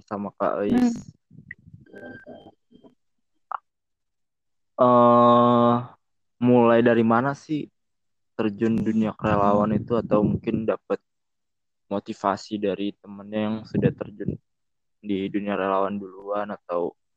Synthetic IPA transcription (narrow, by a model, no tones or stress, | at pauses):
samaka̰ʔəɪs | ə | mulajdaɾimanasɪh | t̪ərd͡ʒʊnduniakəɾelawanit̪uat̪awmuŋkɪndap̚ət̪̚ | mot̪ifa̰sidaɾit̪̚əmənɲajaŋsudaht̪ərd͡ʒʊn | diduniaɾelawanduluanat̪aw